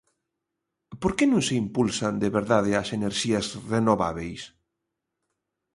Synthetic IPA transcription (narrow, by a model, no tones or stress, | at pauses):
poɾkenũŋseimpulsand̪eβeɾðaðeaseneɾʃiɐsrenoβa̰βejs